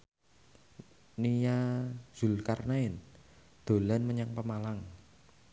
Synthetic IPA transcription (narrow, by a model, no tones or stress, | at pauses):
nijaz̥ṳlkarnaɪn | d̪̥o̤lanməɲaŋpəmalaŋ